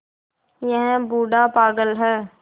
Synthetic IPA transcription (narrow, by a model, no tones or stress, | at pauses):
jə̃ɦɛ̃buːɖaːpaːɡəlɦɛː